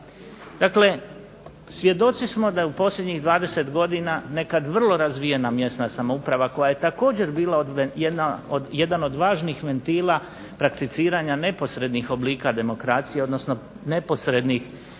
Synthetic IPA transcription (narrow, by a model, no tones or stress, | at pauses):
d̪̥akle̞ | sʋje̞d̪o̞t̪sismo̞d̪ajeupo̞slʎʲe̞d̪ɲiɣd̪ʋaːd̪e̞se̞t̪ɡo̞d̪inane̞kad̪ʋr̩lˠo̞ɾazʋije̞namje̞st̪nasamoupɾaʋako̞jaje̞t̪ako̞ːd͡ʑe̞ɾbiːlˠaod̪ʋjed̪naod̪jed̪ano̞d̪ʋaːʒnixʋe̞nt̪iːlˠa | pɾakt̪it̪siːɾaɲane̞po̞sɾe̞d̪nixo̞bliːkad̪e̞mo̞kɾaːt̪sijeo̞d̪no̞sno̞ | ne̞po̞sɾe̞d̪nix